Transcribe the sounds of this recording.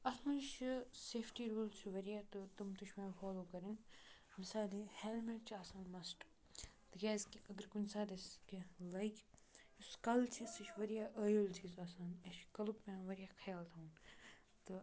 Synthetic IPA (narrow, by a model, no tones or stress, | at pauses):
ɐsnunʃseːfʈiːɾuːlt͡ʃʰiʋɐɾjaːt̪ɨt̪umt̪uʃʰʲmãːfaːloːkɐɾin | misaːd̪iheːlmeʈt͡ʃʰiaːsaːnmɐsʈ | t̪ɨɡeːzkiɐɡəɾkunʲsaːd̪ɐskilɐjkʲuskɐlt͡ʃʰisɨʃʋɐɾijaːʔəːjoːlt͡ʃʰizuɐsaːnɐʃkɐlukmẽʋɐɾijaːkʰɐjaːlt̪ʰaun | t̪ɨ